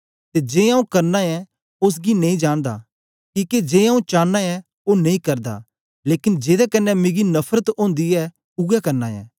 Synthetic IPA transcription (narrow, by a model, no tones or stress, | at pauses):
t̪ed͡ʒeːãːũkɐɾnaɛ | ʊs̬ɡinɐ̃ĩd͡ʒãːɽ̃d̪a̰ | kiːked͡ʒeːãːũt͡ʃaːnːaɛ | onɐ̃ĩkɐɾd̪a̰ | leːkɪnd͡ʒeːd̪ɛkɐnːɛmeːɡinɐpʰɾət̪õːnd̪iɛ | ʊɡakɐɾna̰ɛ̰ː